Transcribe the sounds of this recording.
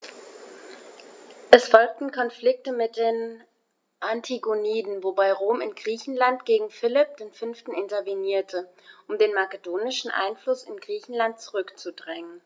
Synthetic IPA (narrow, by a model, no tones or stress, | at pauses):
ʔɛsfɔlk̚tn̩kʰɔnflɪk̚təmɪt̚d̥eːn | ʔantʰiɡoniːdn̩vobaɪʁoːmɪnɡʁiːçn̩lantɡ̥eːɡŋ̩fɪlɪp̚d̥eːnfʏnftn̩ɪntɐviniːɐtʰə | ʔʊmdeːnmakədoːnɪʃn̩ʔa̰ɪnflʊsɪnɡʁiːçn̩lant̚t͡suʁʏkt͡sudʁɛŋən